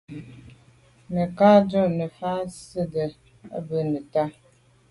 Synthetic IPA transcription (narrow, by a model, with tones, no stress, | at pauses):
nə˨ka˦d͡ʒɔ˦˨nə˨fa˦sə˦də˨ | a̰˦bə˨nə˨ta˦